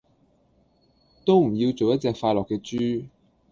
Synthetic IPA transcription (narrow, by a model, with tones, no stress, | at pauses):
t̪o˥wm̩˨˩jiː˧wt͡so˨wjɐ˥t̚t͡sɛː˧k̚faː˧lɔː˨˩kːɛː˧t͡ʃːyː˥